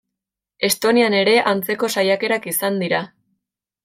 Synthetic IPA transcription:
e̞st̪o̞niane̞ɾe̞ʔant͡se̞ko̞sajake̞ɾakisand̪iɾa

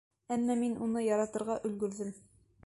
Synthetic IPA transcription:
æmːæminunɤjɑɾɑt̪ɤ̆ɾʁɑʔɵ̆lɡɵ̆ɾðɘm

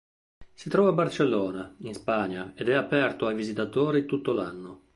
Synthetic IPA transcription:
sit̪ɾɔːvabːart͡ʃelːɔːnainspaɲːaed̪ɛapɛrt̪oajvizit̪at̪oːɾit̪ut̪ːolanːo

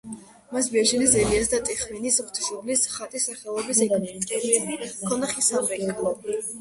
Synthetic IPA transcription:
mas̬biɛʒinizɛliasd̪at̪ʼɛχminisʁt̪ʰʃublisχat̪ʼisaχɛlˠɔbisɛkʼɛkʰɔnaχisamɾɛkʼ

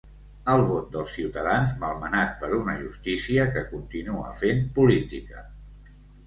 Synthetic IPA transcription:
əlˠβot̪̚d̪əlˠsiwt̪əðanzməlˠmənat̪̚pəɾunəʒust̪isiəkəkunt̪inuə̰fempulit̪ikə

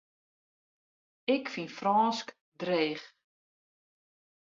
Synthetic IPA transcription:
ɪkfinfrɔːnsk | dreːχ

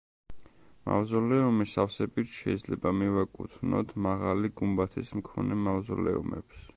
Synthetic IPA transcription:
ma̰vzɔlɛumisafsɛbit̪ʃɛid̪zlɛbamivakʼut̪ʰnɔ̰t̪ʰmaʁaliɡumbat̪ʰismkʰɔnɛmavzɔ̰lɛ̰ṵmɛ̰ps

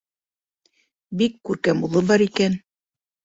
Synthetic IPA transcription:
bikːʉɾkæmulˠɤbɑɾikæn

